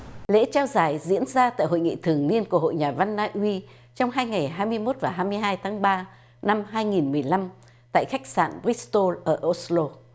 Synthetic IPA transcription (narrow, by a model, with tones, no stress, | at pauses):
lḛ˧˥t͡ɕaː˧wzaː˨˩jzḭ˧˥ənzaː˧t̪a̰ː˧˨jhɦo̰˧˨jŋḭ˧˨t̪ʰɨ˨˩əŋni˧ənku˧˩əɦo̰˧˨jɲaː˨˩va˧nːaː˧ʔwi˧ | t͡ɕɔ˧wŋ͡mɦaː˧jŋa˨˩jɦaː˧jmɨ˧əjmo˦˥t̚vaː˨˩ɦaː˧jmɨ˧əjɦaː˧jt̪ʰaː˨˦ŋɓaː˧ | na˧mɦaː˧jŋi˨˩nmɨ˨˩əjla˧m | t̪a̰ː˧˨jxa˦˥k̚sa̰ː˧˨ni˦˥st̪o˧lʔəː˧˩ʔo˧slo˧